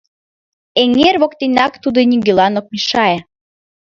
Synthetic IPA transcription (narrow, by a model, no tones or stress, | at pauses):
eŋerβokt̪inʲɑkt̪ud̪ɤnʲiɡĕlɑnok̚miʃɑe